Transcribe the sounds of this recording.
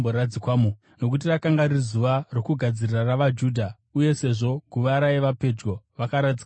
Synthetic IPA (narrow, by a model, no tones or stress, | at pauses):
boɾad͡zikwaːmu | no̞k̬ut̬irakaŋɡaɾizuʋaro̞kuɡʱad͡ziriraraʋad͡ʒuːdʱa | uje̞se̞ʐo̞ɡʱuʋaɾaeʋape̞d͡ʒɡo̞ʋakaɾad͡zik